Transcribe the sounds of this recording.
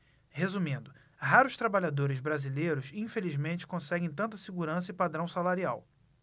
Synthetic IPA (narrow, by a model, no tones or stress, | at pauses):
hezumĩnd̪ʊ | ɦaɾʊʃt̪ɾabaʎad̪oɾɪzbɾazilejɾʊsĩfelizmẽnt͡ʃɪ̥kõsɛɡẽj̃t̪ɐ̃nt̪ɐsiɡuɾɐ̃s̬ɐɪipad̪ɾɐ̃w̃salaɾiaw